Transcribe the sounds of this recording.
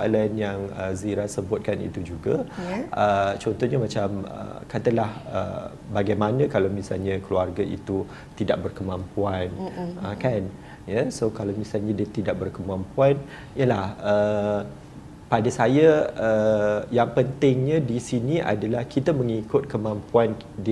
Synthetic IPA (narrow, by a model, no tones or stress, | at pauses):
a̰lanjaŋəziɾasəbʊt̪̚kanḭt̪ud͡ʒuɡəʔət͡ʃɔnt̪ɔhɲamat͡ʃamə̰kat̪əlahə̰ | baɡajmanə̃kalawmisa̰lɲãkluarɡaḭt̪u | t̪idaʔ̚bərkəmãmpuanʔakan | jasokalawmisalɲadiət̪idaʔ̚bərkəmãmpuan | jəlahə | padasajaəjaŋpənt̪ɪŋɲãdisiniʔa̰dalahkit̪aməŋikʊt̪̚kəmãmpuan | d